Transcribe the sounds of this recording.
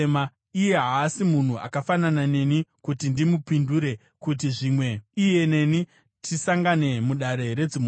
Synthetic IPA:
ma | ije̞ɦaːsimun̤ua̰kafananane̞nikutindimupinduɾe̞ | kut̬iʐimwe̞ije̞ne̞ni | tʰisaŋɡane̞muɗaɾe̞ɾe̞d͡zim

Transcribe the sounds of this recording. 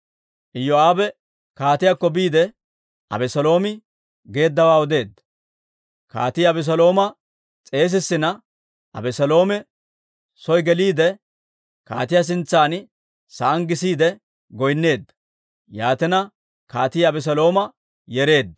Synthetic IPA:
ʔɪjɔaːbɛ | kaːt̪ɪjakːɔbiːd̪ɛ | ʔɐ̰bɛsɐlo̞ːmɪ | ɡe̞ːd̪ːɐwaːɔd̪e̞ːd̪ːɐ̥ | ka̰ːt̪ɪjɐbɛs̬ɐlo̞ːmɐ | t͡sʼe̞ːs̬ɪsːɪnɐ | ʔɐ̰bɛsɐlo̞ːmɛ | sɔjɡɛliːd̪ɛ | ka̰ːt̪ɪjas̬ɪnt͡sːaːn | sɐʔɐŋɡɪsiːd̪ɛ | ɡɔjnːe̞ːd̪ːɐ̥ | jaːt̪ɛnɐ | kaːt̪ɪjɐbɛs̬ɐlo̞ːmɐ | jɛɾe̞ːd̪ːɐ̥

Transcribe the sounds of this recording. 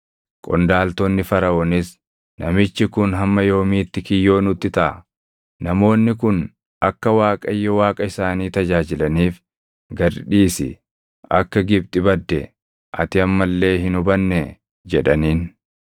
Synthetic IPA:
kʼɔnd̪aːlt̪onːɪfɐɾɐɔnɪs | nɐmɪt͡ʃːɪkʊnɦɐmːɐjo̞ːmiːt̪ːɪkɪjːo̞ːnʊt̪ːɪt̪ɐʔ | nɐmo̞ːnːɪkʊn | ɐkːɐwaːkʼɐjːɔwaːkʼɐɪsaːniːt̪ɐd͡ʒaːd͡ʒɪlɐniːf | ɡɐɾᶑiːsɪ̰ | ɐkːɐɡɪb̚t̪ʼɪbɐd̪ːɛ | ʔɐt̪ɪɐmːɐlːe̞ːɦɪnʊbɐnːɛ | d͡ʒɛᶑɐniːn

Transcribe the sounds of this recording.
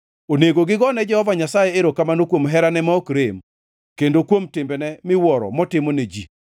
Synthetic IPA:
oneɡoɡɪɡɔnɛd͡ʒɛhɔvaɲasajɛeɾokamanokwomɦɛɾanɛmaokɾem | kendokwomtɪmbɛnɛmɪwɔɾɔ̰mɔtɪmoned͡ʒi

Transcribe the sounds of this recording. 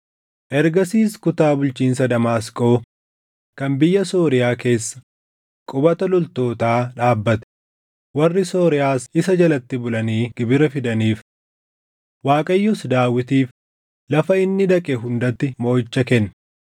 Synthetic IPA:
ʔɛɾɡɐsiːskʊt̪aːbʊlt͡ʃiːns̬ɐd̪ɐmaːskʼo̞ː | kɐnbɪjːɐso̞ːɾɪjaːke̞ːsːɐ̥ | kʼʊbɐt̪ɐlɔlt̪o̞ːt̪aːᶑaːbːɐt̪ɛ̥ | wɐrːɪso̞ːɾɪjaːsɪsɐd͡ʒɐlɐt̪ːɪbʊlɐniːɡ̥ɪbɪɾɐfɪd̪ɐniːf | waːkʼɐjːɔsd̪aːwɪt̪iːf | lɐfɐɪnːɪd̪ɐkʼɛɦʊnd̪ɐt̪ːɪmo̞ːjɪt͡ʃːɐkɛnː

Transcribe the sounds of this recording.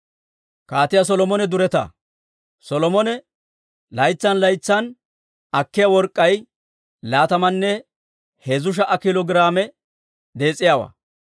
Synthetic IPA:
kaːt̪ɪjɐs̬ɔlɔmɔnɛd̪ʊɾɛt̪ɐ̰ | sɔlɔmɔnɛ | lɐjt͡sːɐnlɐjt͡sːɐn | ɐkːɪjawɔɾkʼːɐj | laːt̪ɐmɐnːɛ | heːzʊʃ̬ɐʔɐkɪlɔɡɪɾaːmɛ | d̪e̞ːt͡sʼːɪjaːwɐ̰

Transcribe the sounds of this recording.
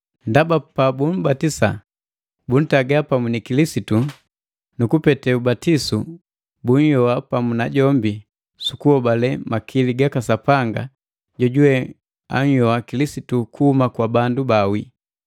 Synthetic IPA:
ndabapabum̩batisa̰ | bun̩taɡapamunikilisitu | nukupɛtɛubatisu | buɲ̩jɔwapamunaɟɔmbi | sukuhɔbalɛmakʰiliɡakasapaŋɡa̰ | ɟɔɟuwɛ | a̰ɲ̩jɔakilisitukuhumakwabandubawi

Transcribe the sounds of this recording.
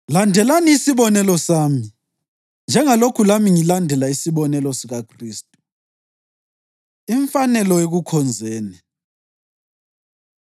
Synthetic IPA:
landʱɛlaniːsiβɔnɛlɔsaːmi | nd͡ʒʱɛŋalokʰulamiŋilandʱɛlaisiβɔnɛlɔsiɣakʰriːstʼu̥ | iɱfanɛlɔeɣukʰɔnd͡zʱeːni

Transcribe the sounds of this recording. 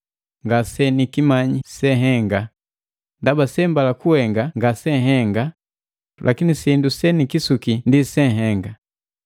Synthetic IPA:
ŋɡasɛnikimaɲisɛɦɛŋɡa | ndabasɛmbalakuhɛŋɡaŋɡasɛɦɛŋɡa | lʔakinisindusɛnikisukindisɛɦɛŋɡa

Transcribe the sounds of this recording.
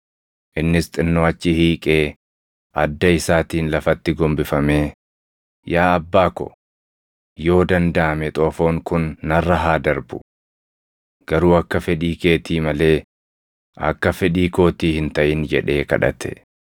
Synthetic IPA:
ʔɪnːɪst̪ʼɪnːoːɐt͡ʃːɪhiːkʼe̞ː | ʔɐd̪ːɐɪsaːt̪iːnlɐfɐt̪ːɪɡɔmbɪfɐmeː | jaːɐbːaːkɔ̰ | jo̞ːd̪ɐnd̪ɐʔɐmɛt̪ʼoːfo̞ːŋkʊnːɐrːɐɦaːd̪ɐɾbʊ | ɡ̥ɐɾuːɐkːɐfɛᶑiːke̞ːt̪iːmɐle̞ː | ɐ̰kːɐfɛᶑiːko̞ːt̪iːhɪnt̪ɐʔɪnd͡ʒɛᶑe̞ːkɐ̰ᶑɐ̰t̪ʰɛ̥

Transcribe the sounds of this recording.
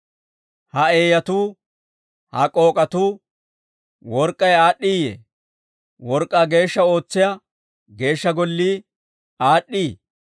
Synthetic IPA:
hɐeːjɐt̪uː | hɐkʼo̞ːkʼɐt̪uː | wɔɾkʼːɐjaːɗːiːjḛː | wɔɾkʼːɐɡe̞ːʃːɐo̞ːt͡sːɪjɐ | ɡe̞ːʃːɐɡɔlːiː | aːɗːiː

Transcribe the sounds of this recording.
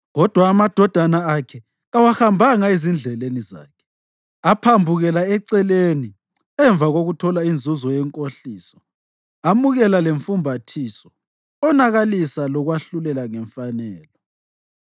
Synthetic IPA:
ɣɔd̥ʱwaːmad̥ʱɔd̥ʱanaakʰɛ | ɣawaxambʱaŋaizind͡ɮʱɛleniza̰ːkʰɛ̥ | apʰambʱuɣɛlaɛǀɛleni | ɛɱb̪vʱaɣoɣutʰɔlaind͡zʱuzɔjɛŋkʼoɬiːsɔ̥ | amuɣɛlaleɱfumbʱatʰiːsɔ | ɔnaɣalisalɔɣwaɬulɛlaŋɛɱfanɛːlɔ

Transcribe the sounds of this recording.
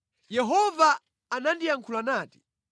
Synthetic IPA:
jɛɦɔvaː | nandijaŋkʰulanaːti̥

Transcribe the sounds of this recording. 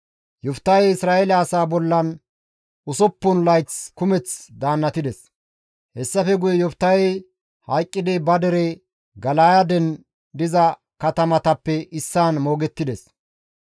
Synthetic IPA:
jɔft̪ːɐjɪsɾaːʔɛlɐːsaːbɔlːɐn | ʊsɔpːʊnlɐjt͡skʊmɛt͡sd̪aːnːɐt̪ɪd̪ɛs | hɛsːɐfɛɡʊjɛjɔft̪ːɐjɛj | hɐjkʼːɪd̪ɪbɐd̪ɛɾɛ | ɡɐlaːjɐd̪ɛn | d̪ɪzɐ | kɐt̪ɐmɐt̪ɐpːɛʔɪsːaːnmo̞ːɡɛt̪ːɪd̪ɛs

